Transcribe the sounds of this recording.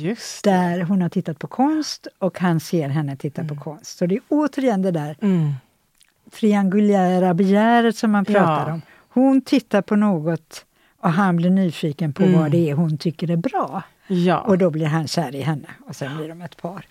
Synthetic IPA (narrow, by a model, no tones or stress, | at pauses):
d̪̥æɾɦʊnhaʈʰɪt̪ːat̪̚pʰɔkʰɔnst̪ɔkhanseːɾɦɛnːət̪ʰɪt̪ːapʰɔkʰɔnst̪ɔd̪ɛæɾoːt̪əɾjɛnːd̪ɛd̪æːɾ | t̪ʰɾɪaŋɡɵlæːɾabɛjæːɾət̪sɔmːanpʰɾɑːt̪aɾɔm | hʊnt̪ʰɪt̪ːaɾpʰɔnoːɡɔt̪ | ɔɦanblɪɾɳyːfiːkənpʰɔvad̪ɛæɾɦʊnt̪ʰʏkːəɾæɾbɾɑ̰ː | ɔd̪ɔblɪɾɦanɕæːɾɪɦɛnːəɔsɛnblɪɾɔmɛt̪pʰɑːɾ